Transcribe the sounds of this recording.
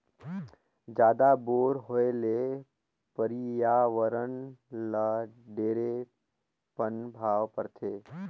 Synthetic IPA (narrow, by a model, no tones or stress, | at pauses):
d͡ʒjaːd̪aboːɾɦoele | pəɾijaːʋəɾənləɖeːɾe | pənbʱaːʋpəɾt̪ʰeː